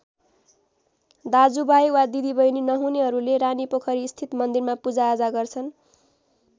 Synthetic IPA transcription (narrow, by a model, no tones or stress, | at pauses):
d̪ad͡zubajwad̪id̪ibʌjninʌɦuneɦʌɾuleɾanipʌkʰʌɾiːst̪ʰit̪mʌnd̪irmapud͡zaːd͡zaɡʌrt͡sʰʌn